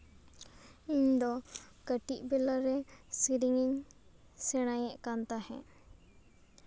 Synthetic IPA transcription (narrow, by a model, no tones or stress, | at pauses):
iɲd̪ɔ | kəʈiʔbɛlaɾɛsiɾiŋiɲ | sɛɽ̃ajɛʔkant̪ahɛ̰̃